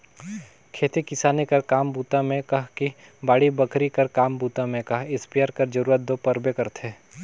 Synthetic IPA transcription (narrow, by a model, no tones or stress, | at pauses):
kʰeːt̪ikɪsaːnikɐɾkaːmbuːt̪ãmẽkɐɦki | baːɽibɐkʰɾikɐɾkaːmbuːt̪ãmẽkɐɦɪspijaːɾkɐɾd͡ʒɐɾuːɾət̪̚d̪oːpɐɾbekɐɾt̪ʰeː